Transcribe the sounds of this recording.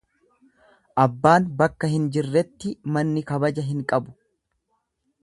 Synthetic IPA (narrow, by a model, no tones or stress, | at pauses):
ʔɐbːaːnbɐkːɐhɪnd͡ʒɪrːɛt̪ːɪmɐnːɪkɐbɐd͡ʒɐɦɪŋkʼɐbʊ̥